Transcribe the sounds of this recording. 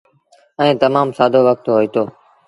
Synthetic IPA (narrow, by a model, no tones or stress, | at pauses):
ɛ̃ːt̪əmaːmsaːd̪ʱoːʋək̚t̪ɦoːiːt̪oː